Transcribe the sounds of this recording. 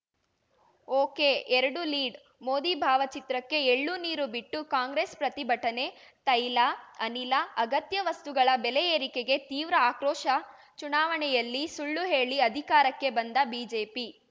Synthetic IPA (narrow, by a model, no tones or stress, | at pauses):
oːkeʔɛɾɐɽuliːɖ | moːd̪ibʱaːʋɐt͡ʃit̪ɾɐkːe̞eɭːuniːɾubiʈːukaːŋɡɾespɾɐt̪ibʱɐʈɐne̞t̪ɐjlaɐnilɐɐɡɐt̪jɐʋɐst̪uɡɐɭɐbɛlɛjeːɾikeɡe̞t̪iːʋɾɐaːkɾɔːʃɐ | t͡ʃunaːʋɐɳɛjɐlːisuɭːuɦe̞ːɭiɐd̪ʱikaːɾɐkːe̞bɐnd̪ɐbiːd͡ʒe̞ːpi